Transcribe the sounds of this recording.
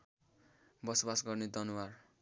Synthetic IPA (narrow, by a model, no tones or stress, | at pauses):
bʌsbasɡʌrned̪ʌnuwar